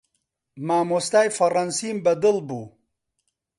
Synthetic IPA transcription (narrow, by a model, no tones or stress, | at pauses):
maːmost̪aːjfɐɾɐnsiːmbɐd̪ɨlbuː